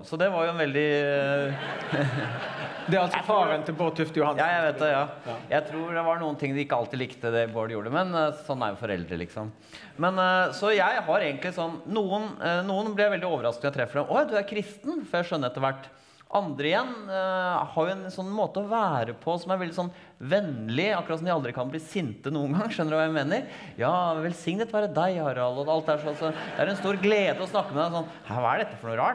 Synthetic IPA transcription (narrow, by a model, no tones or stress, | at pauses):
sɔd̪ɛʋɑɾjʊɛnʋɛld̪ɪ | d̪ɛɑlsɔfɑːɾənt̪ɪboːt̪ʰʉft̪jʊhɑjɑːjæɪʋeːt̪̚d̪ɛjɑːjæɪt̪ʰɾuːɖɛʋɑɾɳuːənt̪ʰɪŋːd̪ɛɪkːəɑlt̪ɪlɪkt̪əd̪ɛboːɖəjṵːɖəmɛnsɔnːæ̰ɾjʊfɔɾɛ̰ld̪ɾə̰lɪ̰ksɔm | mɛnsɔjæɪɦɑɾeːɡənt̪lɪsɔnːuːənnuːənblɪɾjæɪʋɛld̪ɪoːʋəɾɑsk̚nɔjæɪt̪ʰɾɛfːəɖɛmɔjd̪ʉæɾkʰɾɪst̪n̩fɔɾjæɪʂœnːəɾɛt̪ːəɾʋæʈː | ʔɑnd̪ɾəɪjɛnː | hɑɾjʊɛnsɔnːmoːt̪əɔʋæːɾəpʰɔsɔmæɾʋɛld̪ɪsɔn | ʋɛnlɪɑkːɾɑt̪smæɪɑld̪ɾɪkʰɑnbliːsɪnt̪ənuːənɡɑŋːʂœnːəɾʉʋɑjæɪmeːnəɾ | jɑːʋɛlsɪŋnət̪ʋæːɾəd̪æɪɑɾɑlɔd̪ɑlt̪̚d̪æːʂɔɑsɔd̪ɛæɾɛnst̪uːɾɡleːd̪əɔsnɑkːəmɛd̪æɪsɔnː | hæɾʋɑæ̰ɖɛt̪ːəfɔɳuːɾɑːʈ